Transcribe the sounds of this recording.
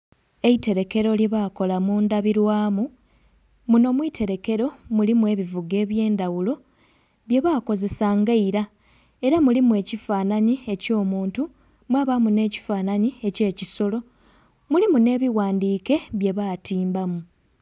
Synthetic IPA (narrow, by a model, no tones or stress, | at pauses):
e̞ite̞ɾe̞ke̞ɾo̞ljeβako̞lamuːndaβiɾwaːmu | muno̞mwiːtʰe̞ɾe̞ke̞ɾo̞mulimwe̞ːβivuɡe̞ːβje̞ːndawulo̞ | βje̞βaːko̞ze̞saŋɡaiɾa | e̞ɾamulimue̞ːcifaːnaɲie̞co̞ːmuːntu | mwaːβamune̞ːci̥faːnaɲie̞ce̞ːciso̞lo̞ | mulimune̞ːβiwaːndiːke̞βje̞βaːtʰiːmbamu